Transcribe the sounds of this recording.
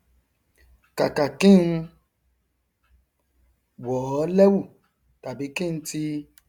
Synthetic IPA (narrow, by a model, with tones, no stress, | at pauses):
ka˨ka˨kĩ˦˨n̩˦ | wɔ˨˦lɛ˦wu˦˨ | ta˨bi˨˦kĩ˦n̩˧˦ti˧